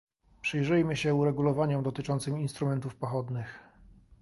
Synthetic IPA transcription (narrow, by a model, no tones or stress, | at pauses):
pʂɘjʐɘjmɘɕɛuɾɛɡulɔvaɲɔmd̪ɔt̪ɘt͡ʂɔnt̪sɘminst̪ɾumɛnt̪ufpɔxɔd̪nɘx